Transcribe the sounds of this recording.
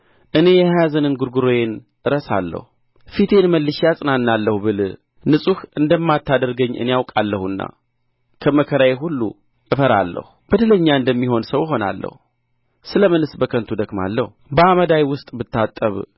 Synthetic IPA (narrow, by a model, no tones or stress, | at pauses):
ʔɨne̞jɛjazənɨnɡuɾɡuɾo̞jen | ʔɨɾəsa̰lːə̰hu | fit̪ʰe̞nməlːɨʃjasʼɨnanːalːəhubɨl | nɨsʼuhʔɨnd̪əmːat̪ʰːad̪əɾɡəɲːɨ̰nejawkʼalːəhɨnːa̰ | kʰəməkʰəɾajeɦulːṵ | ɨfəɾa̰lːə̰hub̥əd̪ɨləɲːaɨnd̪əmːiɦo̞nsəwjɪɦo̞na̰lːə̰hu | sɨləmɨnɨsbəkʰənt̪ʰud̪əɡma̰lːəhubəaməd̪ajwʊst̪ʼbɨt̪ːat̪ʼːəβ